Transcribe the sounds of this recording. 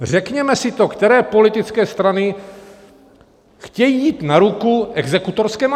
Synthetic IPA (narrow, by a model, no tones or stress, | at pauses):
r̝ɛkɲɛmɛsɪt̪o̞kt̪ɛɾɛːpo̞lɪt̪ɪt͡skɛːst̪ɾanɪ | xcɛjiːjiːt̪naɾukuʔɛɡzɛkut̪o̞ɾskɛːm